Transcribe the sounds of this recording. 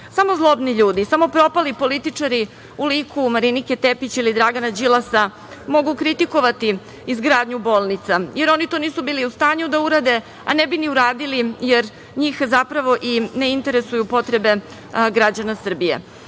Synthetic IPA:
samo̞zlˠo̞bniʎuːd̪isamo̞pɾo̞palipo̞lit̪it͡ʂaɾi | ulikʰumaɾiniket̪epit͡ɕilid̪ɾaɡanad͡ʑilˠasa | mo̞ɡukɾit̪iko̞ʋat̪i | izɡɾaːd̪ɲubo̞ːlˠnit̪sajeɾo̞nit̪o̞ːniːsubiːliust̪aːɲud̪auɾad̪e̞ | a̰nebiniuɾaːd̪ilijeɾ | ɲiːxzapɾaʋo̞ʔineint̪e̞ɾesujupo̞t̪ɾe̞be̞ | ɡɾad͡ʑanasr̩bijḛ

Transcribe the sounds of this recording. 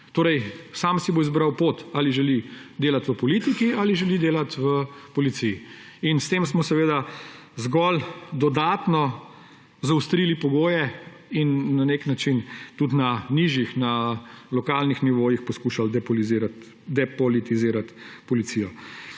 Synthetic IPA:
t̪oːɾɛjsaːmsiboizbɾawpoːt̪aliʒɛlid̪eːlat̪ʋəpɔlit̪ikialiʒɛlid̪eːlat̪ʋəpɔlit̪siji | inst̪eːmsmɔsɛʋeːd̪a | zɡɔld̪ɔd̪aːt̪nɔ | zawst̪ɾiːlipɔɡoːjɛ | inːaneknat͡ʃint̪ut̪naniʒjixnalɔkalnixniʋoːjixpɔskuʃald̪ɛpɔliziɾat̪ | d̪ɛpɔlit̪iziːɾat̪pɔlit̪sijɔ

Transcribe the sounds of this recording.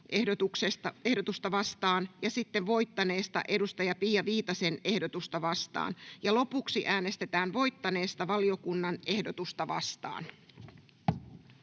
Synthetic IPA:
ehot̪uksest̪ɑe̞hdo̞t̪ust̪ɑʋɑst̪ɑːnjɑsit̪ːeʋʋo̞it̪ːɑne̞ːst̪ɑ̰ʔe̞dust̪ɑjɑpiːjɑʋiːt̪ɑse̞ne̞hdot̪ust̪ɑʋɑst̪ɑ̰ːnjɑlo̞puksiʔæːne̞st̪e̞t̪æːnʋo̞jt̪ːɑne̞ːst̪ɑʋɑlio̞kunːɑne̞hdot̪ust̪ɑʋɑ̰st̪ɑ̰ːn

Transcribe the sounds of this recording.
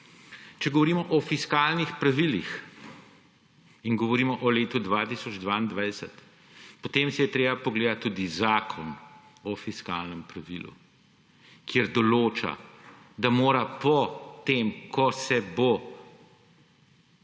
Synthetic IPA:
t͡ʃɛɡɔʋɔɾiːmɔʔɔfiskaːlnixpɾaʋilix | inɡɔʋɔɾiːmɔʔɔleːt̪ud̪ʋat̪isɔd͡ʒd̪ʋaːind̪ʋajsət̪ | pɔt̪eːmsɛjɛt̪ɾeːbapɔɡleːd̪at̪ːuːd̪izaːkʰɔn | ɔfiska̰lnəmpɾaʋḭlṵ | kjeɾd̪ɔloːt͡ʃa̰ | d̪amoːɾapɔt̪eːmkʰɔsɛbo

